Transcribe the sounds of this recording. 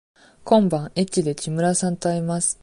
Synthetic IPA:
kõ̞mbãŋet͡ɕʲːid̪e̞t͡ɕimɯ̟ɾasãnt̪oaɾʲimasɨ̥

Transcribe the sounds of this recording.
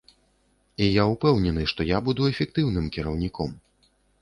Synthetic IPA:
ijaupɛwnʲɛnɨʂt̪ɔjabud̪uɛfʲɛk̚t̪ɨwnɨmkʲiɾɐwnʲikɔm

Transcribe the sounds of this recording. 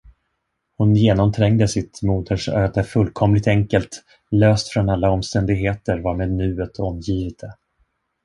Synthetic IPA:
hʊnjeːnɔmt̪ʰɾɛŋd̪əsɪt̪muːd̪əʂøːd̪əfɵlːkʰɔmlɪt̪ɛŋkəlt̪ | løːst̪fɾɔnalːaɔmst̪ɛnd̪ɪɡɦeːt̪əɾvɑːɾmeːd̪̚nʉ̟ːət̪ʰɔmjiːvəd̪̥ə

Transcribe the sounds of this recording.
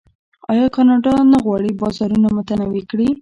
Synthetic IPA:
ɑjɑkɑnɑɖɑnaɣwɑɽibɑzɑɾunamʊt̪anawikɽi

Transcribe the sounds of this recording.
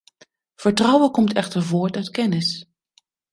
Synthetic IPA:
v̥əɹtrʌwəkɔmtɛχtəɹvʊːɹtœɥtkɛnɪs

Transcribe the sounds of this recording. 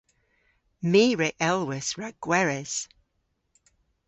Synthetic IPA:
miːɹɛʔɛlˠwɪsɹaɡ̥wɛɹɛz̥

